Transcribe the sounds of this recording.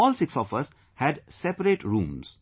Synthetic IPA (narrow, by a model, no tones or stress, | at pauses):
ɔːlsɪksɔfʌs | hæɖsɛpəɾeʈɾũːmz̥